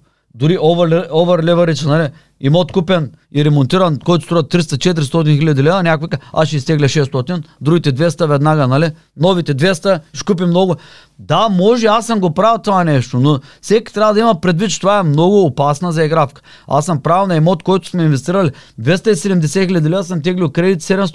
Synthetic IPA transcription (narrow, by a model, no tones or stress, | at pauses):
d̪ʊɾiʔɔvɛlɛɔvɛɾlʲɛvɐɾit͡ʃ̪ɛnɐli | imɔt̪kupɛn | iɾɛmont̪iɾɐnkɔjt̪ost̪ɾɔɐt̪ɾist̪ɐt͡ʃɛt̪̬ɾist̪ɔt̪̬inxilʲɐd̪ilɛvnʲakʊikaasʃɛist̪ɛɡlʲɛʃɛst̪ɔt̪ind̪ɾuɡʲit̪ɛd̪vɛst̪ɐvɛd̪naɡənali | nɔvit̪ɛd̪vɛst̪ɐʃkup̬imnɔɡʊ | d̪amɔʒɛasɐmɡopɾavɛlˠt̪ovanɛʃt̪onofsɛki̥t̪ɾʲavəd̪ɐimɐpɾɛd̪vit̪t͡ʃɛt̪ovaɛmnɔɡʊːpasnɐzɐɛɡɾafkə̥ | a̰sɐmpɾavilˠnɐɛmɔt̪kɔjt̪ʊ̥smɛinvɛst̪iɾɐlʲid̪vɛst̪ɐisɛd̪ɛmd̪ɛsɛxʲilʲɐd̪ʲilɛvɐsɐmt̪ɛɡlʲilˠkɾɛd̪it̪sɛd̪ɛms